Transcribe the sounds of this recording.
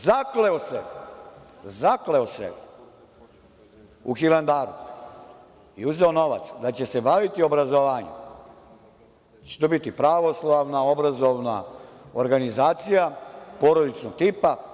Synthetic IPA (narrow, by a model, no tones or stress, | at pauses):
zakleose | zakleosḛ | uxiland̪aːɾṵ | iuzeono̞ʋa̰t̪sd̪at͡ɕe̞se̞baʋit̪io̞bɾazoʋaːɲṵ | t͡ɕe̥t̪obit̪ipɾaʋo̞slˠaʋnao̞bɾazo̞ʋna̰oɾɡanizaːt̪sijapoɾolit͡ʃnoɡt̪ipa